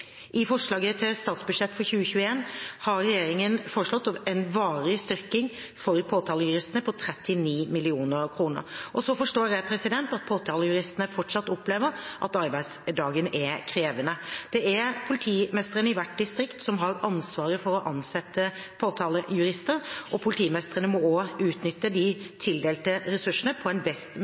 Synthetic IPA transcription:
ʔɪfɔʂɭɑːɡət̪ʰɪlst̪ɑːt̪sbʉd̪ʂɛt̪ːfɔɾçʉːəçʉːəeːnhɑɾɾɛjeːɾɪŋənfɔɾəʂlɔt̪ːɑɛnʋɑːɾɪst̪ʏɾkɪŋ | fɔɾpʰoːt̪ʰɑːləjʉɾɪst̪ənəpʰɔt̪ʰɾɛt̪ːɪniːmɪlɪuːnəɾkʰɾuːnə̰ɾʔɔsɔfɔʂʈoːɾjæɪpʰɾɛsɪd̪ɛnt̪ɑt̪̚pʰoːt̪ʰɑːləjʉɾɪst̪ənəfɔʈʂɑt̪ːɔpleːʋəɾʔɑt̪ɑɾbæɪd̪sd̪ɑːɡənʔɛkʰɾeːʋənəd̪̥ɛʔæɾpʰʊlɪt̪ʰiːmɛst̪əɾənəɪʋæʈ̚d̪ɪst̪ɾɪkt̪sɔmɦɑɾɑnsʋɑːɾəfɔɾɔʔɑnsɛt̪ːəpʰoːt̪ʰɑːləjʉɾɪst̪əɾʔɔpʰʊlɪt̪ʰiːmɛst̪əʁənəmɔoːʉːt̪nʏt̪ːəd̪ɪt̪ʰɪld̪eːlt̪əɾɛsʉʂːənəpʰɔɛnbɛst̪

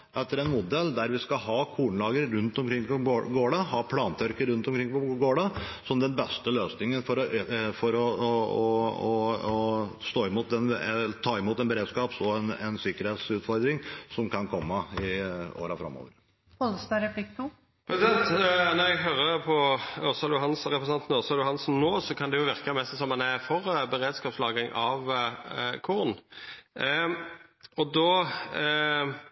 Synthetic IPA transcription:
ʔɛt̪ːəɾɛnmʊd̪ɛld̪æɾʋɪskɑɦɑːkʰuːɳəlɑːɡəɾɾʉnt̪ɔmkʰɾɪŋːɔɡoːɽɑɦɑːpʰlɑːnt̪ʰœɾkəɾɾʉnt̪ɔmkʰɾɪŋpɔɡoːɽɑsɔmd̪ɛnbɛst̪əløːsnɪŋənfɔɾɔfɔɾɔɔɔɔst̪oːɪmuːt̪̚d̪ɛnt̪ʰɑːɪmuːt̪ɛnbəɾeːd̪skɑːpsɔɛnɛ̰nsɪkəɾheːt̪sʉːt̪fɔɾd̪ɾɪŋsɔmkʰɑnkʰɔmːəɪo̰ːɾəfɾɑ̰mːo̰ːʋəɾ | ɔlst̪ɑɾɛpʰlɪknu | pʰɾɛsɪd̪ɛnt̪nɔɾɛɡɦøːɾəpʰɔɔsɑljʊɦɑnsʁɛpɾʁsɑnt̪nɔʁsɑljʊɦɑnsnnoːsɔkʰɑnd̪ɛjʊʋɪʁkəmɛsɛsɔmɑnæfɔʁbəɾeːd̪skɑːpslɑːɡɪŋʔɑʋ | kʰʊʁn | ɔd̪oː

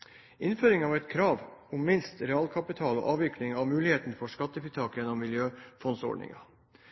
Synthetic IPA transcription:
ɪnføːɾɪŋɑːʋɛt̪kʰɾɑːʋʊmːɪnst̪ɾɛɑːlkʰɑpɪt̪ʰɑːlo̰ːʔɑːʋɪklɪŋɑʋmʉːlɪheːt̪n̩fɔʂkɑt̪ːəfit̪ʰɑːkjɛnɔmːɪljøːfɔnsɔ̰ɖɳɪ̰ŋɑ

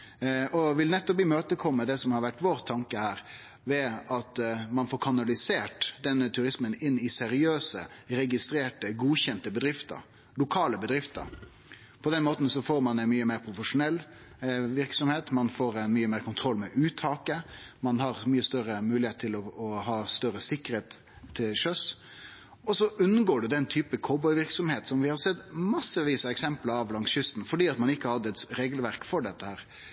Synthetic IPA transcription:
ɔʋɪlnɛt̪ːɔpbliːmøːt̪əkʰɔmːəd̪ɛsɔmhɑɾʋæʈːʋoːɾt̪ʰːɑŋkəhæːɾ | ʋɛɑt̪mɑnfoːɾkʰɑnɑlɪseːʈd̪ɛnːət̪ʰʉɾɪsmənɪnːɪsɛɾɪøːsə̰ɾɛɡɪst̪ɾeːʈəɡuːçɛnt̪əbəd̪ɾɪft̪ə̰ɾ | lʊkʰɑːləbəd̪ɾɪft̪ə̰ɾ | pʰɔd̪ɛnmoːt̪n̩sɔfoːɾmɑnɛnmyːəmeːɾpʰɾʊfəʂʊnɛlː | ʋɪɾksɔmheːt̪mɑnfoːɾɛnmyːəmeːɾkʊnt̪ʰɾɔlːmɛʔʉːt̪ʰɑːkəmɑnɦɑɾmyːəst̪œɾəmʉːlɪheːt̪t̪ʰːɪlɔɔhɑːst̪œɾəsɪkːəɾheːt̪ʰː | ɪlʂœs | ɔsɔʉnːəɡoːɖɛd̪ɛnt̪ʰyːpəkʰoːbɔʏʋɪɾksɔmheːt̪sɔmʋɪhɑɾsɛt̪ːmɑsːəʋiːsɑɛksɛmpləɾɑʋlɑŋsjʏst̪n̩fɔɖiːɑt̪mɑnɪkːəɑɾhɑd̪ːəɛt̪ɾeːɡəlʋæɾkfɔɖɛt̪ːəhæːɾ

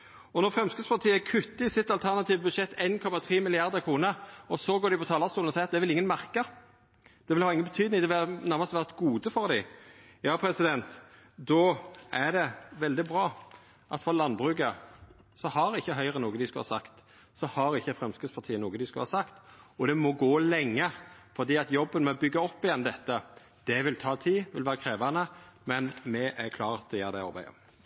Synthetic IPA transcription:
ɔnɔʁfʁɛmskʉspɑʁt̪ʰiːəækʰʉt̪ːəɪsɪt̪ɑlt̪ʰæʁnɑt̪iːʋəbʉd̪ʃɛt̪ʰːeːnkʰɔmɑt̪ʰʁiːmɪlɪɑʁd̪əɾkʰʁuːnəɔsɔɡoːɾɖ̪ɪpʰɔt̪ʰɑːlɑst̪uːl̩ɔsɛɪɾɑt̪̚d̪ɛʋɪlɪŋːənmæʁkə | d̪̥ɛʋɪlhɑːɪŋːənbət̪ʰyːd̪nɪŋd̪ɛʋɪnæʁmɑst̪ʋæːʁt̪ɡuːd̪əfɔʁd̪ɪ | jɑːpʰɾɛsɪd̪ɛnt̪ | d̪ɔʔæɖ̪ɛʋɛld̪ɪbʁɑː | ʔɑt̪fɔlɑnːbʁʉːɡə | sɔhɑɾɪçːəɦœʏʁənoːɡəd̪ɪskʉhɑ̰sɑkt̪ | sɔhɑɾɪçːəfɾɛmskəspʰɑʁt̪ʰiːənoːɡəd̪ɪskʉhɑsɑkt̪ɔd̪ɛmɔɡoːlɛŋːəfɔʁd̪iːɑt̪jɔbːənmɛbʏɡːɑɔpːɪjɛnd̪ɛt̪ːə | d̪̥ɛʋɪlt̪ʰɑːt̪ʰiːʋɪlʋæːɾəkʰɾeːʋɑnəmɛnmɛʔæɾkʰlɑːʁd̪ɛjæːʁd̪ɛɑ̰ɾbæɪə̰

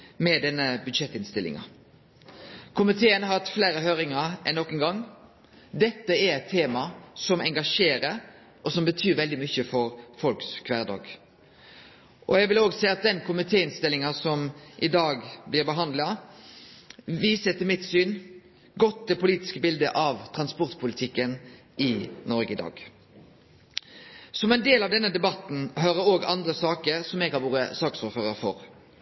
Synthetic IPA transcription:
mɛd̪ɛnːəbʉd̪ʂɛt̪ːɪnst̪ɪlɪ̰ŋɑ̰ | kʰʊmɪt̪ʰeːənəhɑt̪fleːɾəɦøːɾɪŋɑɾɛ̰nːɔkːənɡɑŋː | d̪ɛt̪ːəɛt̪ʰːeːmɑsɔmɛŋɡɑʂeːɾəɾ | ʔɔsɔmbət̪ʰyːɾʋɛld̪ɪmʏçːəfɔɾfɔlkskʰʋæːʁd̪ɑ̰ːɡ | ʔɔjæɡʋɪloːɡsɛɪɑt̪̚d̪ɛnkʰʊmɪt̪ʰeːɪnst̪ɪlːɪŋɑsɔmʔɪd̪ɑːɡblɪʁbəɦɑnd̪lɑ | ʋiːsət̪ɪlmɪt̪syːn | ɡɔt̪̚ːd̪ɛpʊliːt̪ɪ̥skəbɪld̪ə̰ʔɑʋt̪ʰʁɑnspɔʁt̪pʰʊlɪt̪ʰɪkːən | ɪnɔɾɡəɪd̪ɑ̰ːɡ | sɔmɛɪnd̪eːlɑʋd̪ɛnːəd̪ɛbɑt̪ːn̩ɦøːɾəɾoːɡɑ̰nd̪ɾəsɑːkəɾsɔmɛɡhɑʋuːɾə̰sɑːksuːɾføːʁəɾfɔ̰ɾ

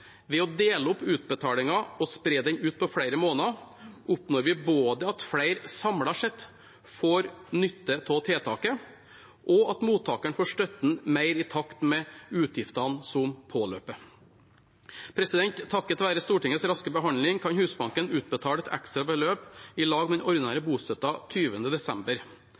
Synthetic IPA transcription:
ʋɛɔd̪eːləɔpːʉːt̪̚bət̪ʰɑːlɪŋɑɔspɾeːd̪ɛɲʉːt̪̚pʰɔfɽæɪɾəmoːnɑʔʊpnoːɾʋɪboːd̪əɑt̪fɽæɪɾsɑmlɑʂɛt̪ː | foːɾnʏt̪ːət̪ʰɛt̪ʰeːt̪ʰɑːkə | ʔɔɑt̪muːt̪ʰːɑːkæɳfoːʂʈœt̪n̩mæɪɾɪt̪ʰɑkt̪mɛʉːt̪ʰjɪft̪ɑnsɔmpʰoːlø̰ːpə | pʰɾɛsɪd̪ɛnt̪ʰːɑkːɛt̪ʋæːɾəst̪uːʈɪŋːətsɾɑskəbəɦɑnlɪŋkʰɑnhʉːsbɑŋkənʉːt̪̚bət̪ʰɑːlɛt̪ʰɛ̰kst̪ɾɑbəløːpɪlɑːɡmɛd̪ɛnʔɔɾnæːɾəbuːst̪œt̪ɑt̪ʰyːʋənəd̪ɛsɛmbəɾ

